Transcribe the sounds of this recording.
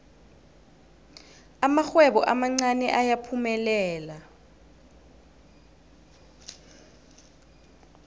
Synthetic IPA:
amaxwɛɓɔʔamaŋ͡ǀanɛʔajapʰumɛlɛːla

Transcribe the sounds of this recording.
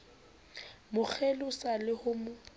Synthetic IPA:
mʊk͡xʰelʊsalɪhʊmʊ

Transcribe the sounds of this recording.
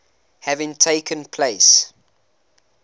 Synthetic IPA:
hævɪ̃ŋtʰeɪkʰə̃npʰl̥eɪs

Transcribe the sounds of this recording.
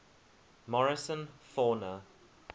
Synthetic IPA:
mɔɹɪsə̃nfɔːnə

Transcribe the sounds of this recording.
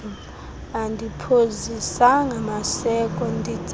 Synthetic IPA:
andʱipʰozisaŋamasɛkʼɔndʱi̥d͡zʱ

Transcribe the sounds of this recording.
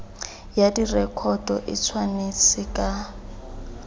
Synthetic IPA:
jadirɛkʰɔdɔʔɪ̰t͡sʰwanet͡sɪkʼa

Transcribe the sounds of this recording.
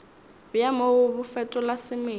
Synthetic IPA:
bjamoʊbʊfɛtʼɔlasɪme

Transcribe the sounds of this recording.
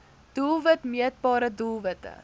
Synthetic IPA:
d̥ulˠvətmiət̚bɑːɾədulˠvətə̰

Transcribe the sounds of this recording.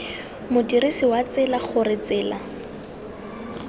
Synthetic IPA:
mʊdiɾisiwat͡sɪlaχʊrɪt͡sɪːla

